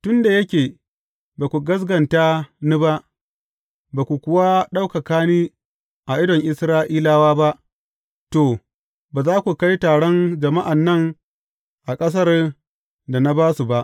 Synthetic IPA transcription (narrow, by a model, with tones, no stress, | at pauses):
tʊ˦nda˨jɐ˦kʲeː˨ | baː˨kʷu˨ɡɐ˦s̬ɡɐ˨ntaː˦ni˦ba˦ʔ | baː˨kʷu˨kʷʊ˦wa˦ɗa˦wka˨kaː˦niː˦ | ʔa˨ʔɪ˦dɔ˨ŋʔɪ˨sɾaː˦ʔiː˦laː˦waː˦ba˦ʔ | toː˨ | baː˨zaː˦kʷu˨ka˦jtaː˨ɽɔ˦nd͡ʒɐ˨ma˦ʔa˨nːɐ˦ŋ | ʔa˨kʼɐ˦s̬ɐ˦r | da˨na˦baː˦su˨ba˦ʔ